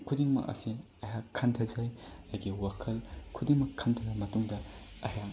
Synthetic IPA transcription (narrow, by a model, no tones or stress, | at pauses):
kʰudiŋmɐ̰kɐ̰si | ɐjakʰːɐntʰɐzajajɡiwakʰɐlkʰudiŋmɐkʰːɐntʰɐɡɐmɐtuŋdɐ | ɐja